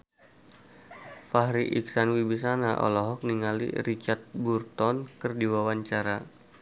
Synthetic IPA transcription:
fahɾiʔiksanwibis̬anaʔɔ̰lɔɦɔk̚niŋalḭrit͡ʃart̪̚burt̪ɔnkɨrdiwawaɲt͡ʃaɾa

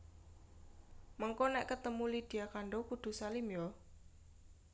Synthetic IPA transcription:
məŋkonɛʔkət̪əmulid̪̥i̤jakaɳɖokud̪̥ṳsalimjɔ

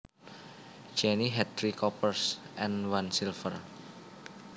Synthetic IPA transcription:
d͡ʒɛniɦɛdɾikɔpərsʔɛnwansilfər

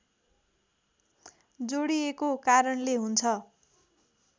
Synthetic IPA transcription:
d͡zoɽiekokaɾʌnleɦunt͡sʰʌ

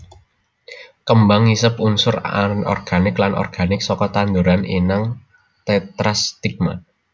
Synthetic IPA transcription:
kəmbaŋisəpunsʊɾa̰nɔ̰rɡ̥anɪklanʔɔ̰rɡ̥anɪksɔkɔt̪and̪uɾaninaŋ | t̪ɛt̪ɾast̪ik̚ma̰

